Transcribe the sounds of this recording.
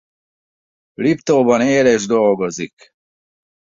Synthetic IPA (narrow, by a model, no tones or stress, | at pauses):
lipt̪oːbɔneːlɛʒd̪oːɡɔzik